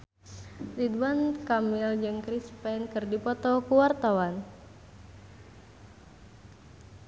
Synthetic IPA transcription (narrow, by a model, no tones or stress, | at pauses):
lid̪wankamild͡ʒɨŋkɾispɛnkɨrdipɔt̪ɔkuwart̪awan